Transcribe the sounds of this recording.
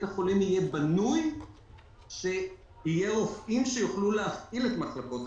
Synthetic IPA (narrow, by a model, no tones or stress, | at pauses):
t̪aχolimije̞banuj | ʃe̞ | ijeʁofʔimʃe̞juχluleafʔile̞t̪maχlako̞t̪